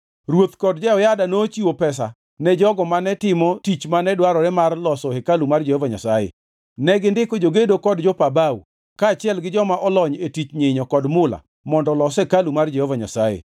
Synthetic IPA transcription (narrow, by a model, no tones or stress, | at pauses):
rwot̪kɔdd͡ʒɛɔjadanot͡ʃiwopɛs̬a̰ | nɛd͡ʒɔɡɔmanɛtɪmɔtit͡ʃmanɛdwaɾɔɾɛmarlɔsɔhekalumard͡ʒehovaɲa̰sajḛ | nɛɡɪndɪkod͡ʒoɡedokɔdd͡ʒɔpabawṵ | kaːt͡ʃɪɛlɡɪd͡ʒɔmaʔɔlɔɲetit͡ʃɲeɲɔkɔdmʊla̰ | mɔndɔlɔsekalumard͡ʒehovaɲa̰sajḛ